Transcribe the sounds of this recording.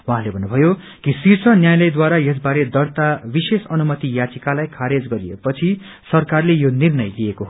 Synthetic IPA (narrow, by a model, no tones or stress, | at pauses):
waɦãlebʱʌnːubʱʌjo | kisirt͡sʰʌnjajlʌjd̪waɾajes̬baɾed̪ʌrt̪abisesʌnumʌt̪ijat͡sikalajkʰaɾed͡zɡʌɾiḛpʌt͡sʰi | sʌrkarlejonirnʌjlijekoɦ